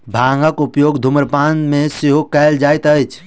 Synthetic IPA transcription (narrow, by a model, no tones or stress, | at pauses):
bʱãŋɡəkupjoɡd̪ʱuməɾpanmesiɦokɛɪld͡ʒajt̪əjt͡ʃʰ